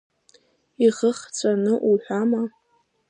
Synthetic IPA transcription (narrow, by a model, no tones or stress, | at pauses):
iʁəχt͡sʷʰʼanɨʔuħʷᶣama